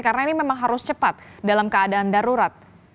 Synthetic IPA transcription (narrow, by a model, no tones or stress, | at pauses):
karənainimemaŋɦaɾʊst͡ʃəpat̪̚dalamkəadaːndaɾuɾat̪̚